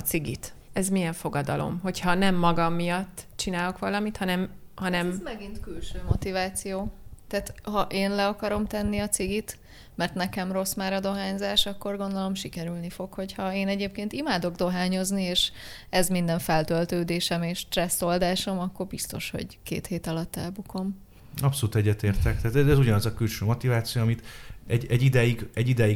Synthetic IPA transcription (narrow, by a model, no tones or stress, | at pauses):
t̪siɡḭt̪ɛzmijɛɱfo̞ɡɒd̪ɒ̰lo̞̰mɦo̞chɒnɛmːɒɡɒmːijɒt̪ːt͡ʃinaːlo̞kʋɒlɒmit̪hɒnɛm | hɒnɛmmɛɡint̪kylʃøːmo̞t̪ivaːt̪sijoːt̪aːt̪hɒʔeːnlɛɒkɒɾo̞mt̪ɛnːiɒt̪siɡit̪ | mɛrt̪nɛkɛmro̞smaːɾɒd̪o̞ɦaːɲzaːʃɒkːo̞rɡo̞nd̪o̞lo̞mʃikɛɾylnifo̞kho̞chɒeːnɛɟeːp̚keːnt̪imaːd̪o̞ɡd̪o̞ɦaːɲo̞znieːʃ | ɛzmind̪ɛɱfɛlt̪ølt̪øːd̪eːʃɛmeːʃt̪rɛsːo̞ld̪aːʃo̞mɒkːo̞rbist̪o̞̰ʃho̞̰ɟkḛːt̪heːt̪ɒlɒt̪ːɛ̰lbukʰo̞m | ɒpsoluːt̪ɛɟːɛt̪eːrt̪ɛk̚t̪ɛːt̪ɛɛzuɟɒnɒzɒkylʃøːmo̞t̪ivaːt̪sijoɒmit̪ɛɟɛɟːid̪ɛjiɡɛɟid̪ɛji